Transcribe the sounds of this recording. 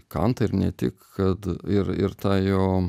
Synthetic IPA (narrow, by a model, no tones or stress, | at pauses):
kɐnt̪ɐɪɾnʲɛt̪ʲɪ̰kkɐt̪ɪɾɪ̰ɾt̪ɑːjoː